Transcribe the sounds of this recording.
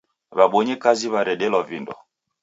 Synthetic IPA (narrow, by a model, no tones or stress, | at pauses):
βaɓɔɲɛkaziβaɾɛɗɛlɔvindɔ̰